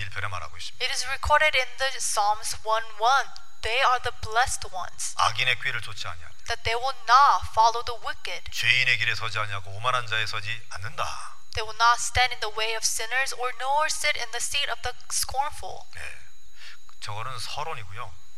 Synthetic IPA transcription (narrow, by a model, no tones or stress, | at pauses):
iɭpʰeɾema̰ɾɦa̰ɡois͈miɪɾɪzɹikʰɔɹɾɪɾɪ̃nðə | sɑmzwʌ̃nwʌ̃n | ðeɪə˞ðəblɛst̚wʌ̰̃nz̥a̰ɡine̞kɥiɾɯɭt͡ɕot͡ɕʰia̰ɲia̰ðæt̪̚ðeɪwɪlˠnətfɑlˠoʊðəwɪkɪd̥̚t͡ɕeine̞kiɾesʰʌd͡ʑiaɲiaɡoːmanɦand͡ʑaesʰʌd͡ʑi | anːɯnda̰ | ðeɪwɪlˠnətstɛ̃ndɨ̃nðəweɪʌv̥sɪ̃nə˞zə˞nɔɹsɪɾɪ̃nðɨsiɾʌvðə | skɔɹnfl̩ˠjḛ | t͡ɕʌɡʌnɯnsʰʌɾoniɡojo